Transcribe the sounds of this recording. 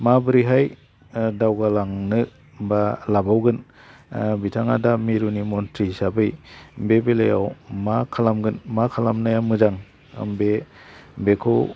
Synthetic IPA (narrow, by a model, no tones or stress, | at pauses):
mabɯɾiɦaj | dawɡalaŋnɯ | balabawɡɯn | bitʰaŋadamiɾunimɔntɾisabɯjbebelajawmakʰalamɡɯnmakʰalamnajamɯzaŋ̰ | mbe | bekʰɯw